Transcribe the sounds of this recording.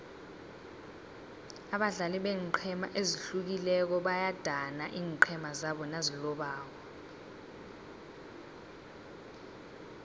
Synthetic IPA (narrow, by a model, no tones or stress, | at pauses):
aɓaɮaliɓɛǃʰɛma̰ʔeziɬuk̬ilɛk̬ɔɓajad̥ʱanaʔiːŋǃʰɛmazaɓɔnazilɔɓaːk̬ɔ